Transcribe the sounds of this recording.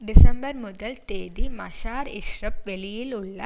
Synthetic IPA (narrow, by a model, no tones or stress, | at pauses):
ɖɪsɐmbɐɾmʊd̪ɐlt̪eːd̪imɐɕaːɾiʃɾɐp̚ʋelijilʊɭːɐ